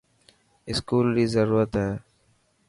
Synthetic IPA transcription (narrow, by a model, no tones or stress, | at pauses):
ɪskuːlɾiːzəɾuːɾət̪ɦɛː